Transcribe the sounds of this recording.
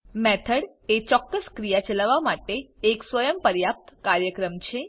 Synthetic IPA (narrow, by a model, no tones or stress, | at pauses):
mɛt̪ʰəɽ | et͡ʃɔkːəskɾijat͡ʃəlaʋamaʈeːksʋəjəmpəɾjap̚t̪kaɾjəkɾəmt͡ʃʰe